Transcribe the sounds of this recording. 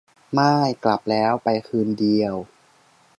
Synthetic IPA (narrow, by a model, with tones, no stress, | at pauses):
maː˥˩jkla˨˩p̚lɛː˦˥wpa˧jkʰɯː˧ndi˧əw